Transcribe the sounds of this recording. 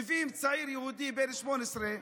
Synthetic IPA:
vimt͡saʕiɾjəhud̪ibenʃmonɛsɾe

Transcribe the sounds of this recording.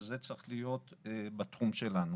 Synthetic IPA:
zet͡sʁiχlijo̞t̪ːbat̪χumʃe̞lanu

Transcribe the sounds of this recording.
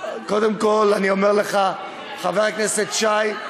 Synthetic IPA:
kod̪emkolanio̞meʁleχa | χaveʁkneset̪ʃaj

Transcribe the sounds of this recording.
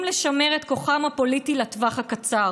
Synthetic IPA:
mleʃame̞ʁet̪ko̞χamhapo̞litilat̪vaχhakat͡sa

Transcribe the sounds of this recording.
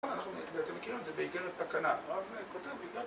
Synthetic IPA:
nanaχnubeat̪imːekiʁimetzebeiɡeʁet̪pakanaavekot̪evbeiɡe

